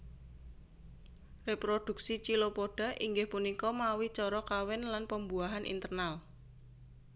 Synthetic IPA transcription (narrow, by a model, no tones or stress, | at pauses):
repɾod̪̥ṳk̚sit͡ʃilopoɖ̥a̤ʔiŋɡɪhpunikɔmawit͡ʃɔɾɔkawɛnlanpəmbuaɦanʔḭnt̪ərnal